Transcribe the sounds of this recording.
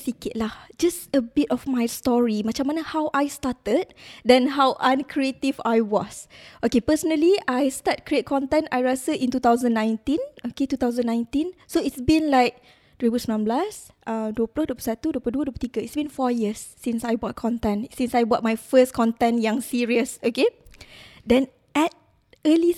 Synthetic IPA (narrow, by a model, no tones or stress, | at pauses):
sikit̚lahd͡ʒastəbitɔfmajstɔɹimãt͡ʃamːanəhawʔajstatəd̚dɛ̃nɦawʔãnkʰɹietivajwɔsʔokepəsənəliʔajstat̚kɹiet̚kʰɔ̃nt̪ɛ̃najɹasəʔĩnt̪ut̪awzə̃nːãj̃ntĩnoket̪ut̪awzə̃nːãjntĩnsoitsbĩnlaɪk̚ | d̥ɹebusmãnblas | ʔãdwoplodopəsatudopəduədopətikəitsbĩnfɔjiəsːĩnsajbɔt̚kʰɔ̃ntɛ̃nsĩnsajbɔt̚majfəskʰɔ̃ntɛ̃njãŋsiɹiəsoke | dɛ̃n | ɛt̚ | əli